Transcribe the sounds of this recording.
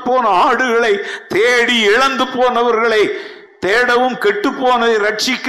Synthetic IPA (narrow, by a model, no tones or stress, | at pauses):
pːoːnɐaːɽɯɣɐɭɐɪt̪eːɽiɪɻɐnd̪ɯpoːnɐʋɐɾɣɐɭɐɪ | t̪eːɽɐʋɯmkɛʈːɯpːoːnɐɪɾɐʈ̚t͡ʃɪkː